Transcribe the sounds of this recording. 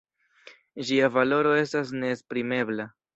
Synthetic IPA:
ʒiavalo̞ɾo̞e̞stas̬ne̞ːspɾime̞bla

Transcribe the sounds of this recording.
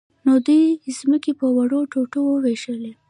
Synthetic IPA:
nod̪ujzməkepəwaɽoʈoʈowəweʃəle

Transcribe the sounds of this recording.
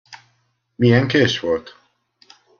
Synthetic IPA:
mijɛŋkeːʃʋo̞lt̪

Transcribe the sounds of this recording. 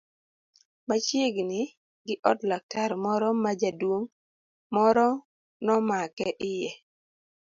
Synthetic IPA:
mat͡ʃeɡnɪ | ɡɪʔɔtlak̚taɾmɔɾɔmad͡ʒadwoŋ | mɔɾɔ | nɔmakɛʔɪjɛ

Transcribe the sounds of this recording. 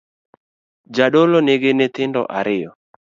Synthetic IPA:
d͡ʒaɗoloneɡenet̪ɪndɔ̰ʔaɾɪjɔ

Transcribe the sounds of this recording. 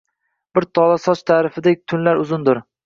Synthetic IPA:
b̥ɪɾt̪ʰɒlˠasɒt͡ʃt̪ʰaːɾɪfɪd̪ek̚ʲt̪ʰʊnlaɾʊzʊnd̪ʊɾ

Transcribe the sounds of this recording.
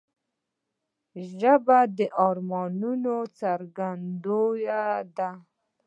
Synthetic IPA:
ʒabad̪əʔɑɾmɑnunot͡saɾɡand̪ojad̪a

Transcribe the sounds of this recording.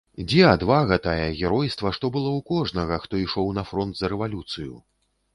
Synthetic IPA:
d͡zʲɛad̪vaɣɛt̪ajɛɣʲɛɾɔjst̪vɐʂt̪ɔbɨlˠɔwkɔʐnɐɣɐxt̪ɔiʂɔwnɐfɾɔnd̪zɐɾɛvalʲut̪sɨjṵ

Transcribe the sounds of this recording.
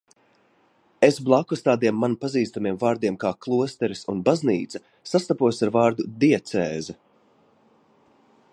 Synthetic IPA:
esblˠakɔst̪aːd̪iɛmːanpaziːst̪amiɛmvaːɾd̪iɛmkaːklˠuɔst̪ɛɾisunbaznḭːt̪sɐ̥ | sast̪apuɔjsaɾvaːɾd̪ud̪iɛt̪sɛːzɛ

